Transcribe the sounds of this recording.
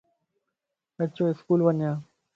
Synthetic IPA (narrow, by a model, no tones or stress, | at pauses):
kət͡ɕõːɪskuːlʋəɲjãː